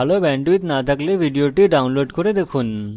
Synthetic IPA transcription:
alobɛɳɖuit̪nat̪ʰaklebʱiɖioʈiɖawnloɖkoɾed̪ekʰun

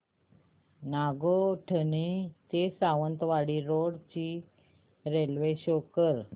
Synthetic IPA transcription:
naɡoʈʰənit̪esaʋənt̪ʋaɽiːɾoɽt͡ɕi | ɾelʋeɕokəɾ

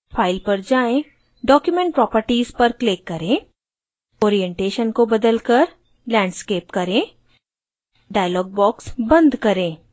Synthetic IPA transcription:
fʰaːɪlpɐɾd͡ʒaːẽ | ɖɔːkjʊmẽɳʈ̚pɾɔːpəɾʈiːzpɐɾkleːkːɐɾẽː | oːɾijɛ̃ɳʈeːʃənkobɐd̪əlkəɾ | lɛ̃ːɳɖskeːpkɐɾẽː | ɖaːjlɔːɡ̚bɔːksbɐ̃nd̪kɐɾẽː

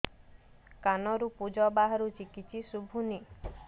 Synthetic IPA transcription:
kanɔɾupud͡ʒɔbaɦaɾut͡ʃikit͡ʃʰisubʱuni

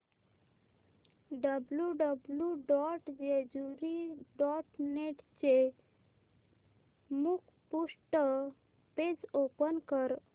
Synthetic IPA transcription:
ɖəbljuɖəbljuɖɔʈd͡ʒed͡ʒuɾiɖɔʈneʈt͡ʃe | mukʰ | pusʈə | ped͡ʒopənkəɾ

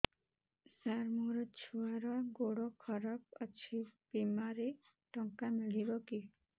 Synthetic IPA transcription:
saɾmuɾɔt͡ʃʰuaɾɔɡoɽɔkʰɔɾap̚ɔt͡ʃʰipimaɾe | ʈɔŋkamiɭiɾɔki

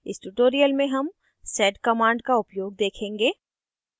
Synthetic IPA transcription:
ɪsʈuːʈoːɾijəlmẽɦɐm | sɛːɖkɐmãːɳɖkaʊpjoːɡ̚d̪eːkʰẽːŋɡeː

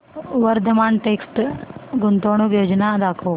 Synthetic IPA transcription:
ʋəɾd̪ʱəmaɳʈeksʈɡunt̪oɳ̃ukjod͡ʒnad̪akʰoː

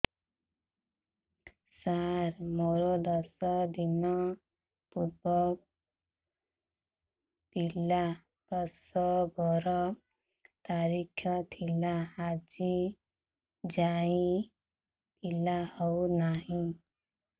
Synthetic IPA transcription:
saɾmɔɾɔd̪ɔsɔd̪inɔ | put̪̚bɔ | t̪ila | bɔsɔɡɔɾɔ | t̪aɾikʰjɔt̪ʰilaːd͡ʒi | d͡ʒai | t̪ilahɔwnaɦĩ

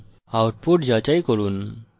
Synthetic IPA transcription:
awʈ̚puʈd͡ʑat͡ɕaikəɾuːn

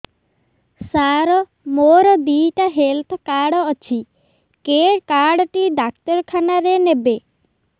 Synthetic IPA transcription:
saɾɔ | moɾɔd̪iʈaɦelt̪ʰkaɽɔɔt͡ʃʰi | keɾkaɽɔʈiɖak̚t̪ɔɾkʰanaɾenebe

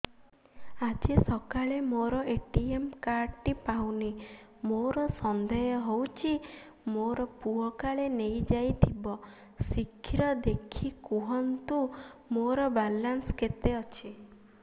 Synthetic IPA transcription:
ad͡ʒesɔkaɭemoɾɔeʈiemkaɾʈipawnimoɾɔsɔnd̪ɔjɔɦowt͡ʃʰi | moɾɔpuɔkaɭenejd͡ʒajt̪ʰibɔ | sikʰːiɾɔd̪ekʰikuɦɔnt̪umoɾɔbalansket̪eɔt͡ʃʰi

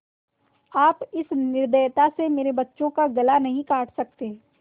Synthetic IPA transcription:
aːpɪsnɪɾd̪əjt̪asemeːɾebɐtːʃõkaɡɐlanɐɦĩkaːʈʰsɐk̚t̪eː

